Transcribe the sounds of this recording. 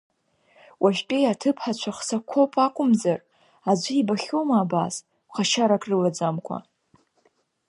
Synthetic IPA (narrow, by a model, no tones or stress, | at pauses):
wʔaʒʲpʲʼejatʰɨpʰħat͡ʃʷʰaχsakʷʰo̞pʼakʷʼʊmzar | ad͡ʒʷɪibaχʲowmaaːbas | χaʃaɾakʼrɨlad͡zamkʷʰa̰